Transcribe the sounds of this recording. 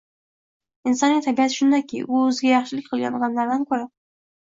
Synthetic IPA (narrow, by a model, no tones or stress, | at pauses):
ɪnsɒnːit̪ʰabiat̪ʰɪ̥ʃʊnd̪akʲʰḭjʊzɡʲajɑχʃɪlɪkʲqʰɨlˠɡʲa̰nʁɑmlaɾd̪ankʰɵɾa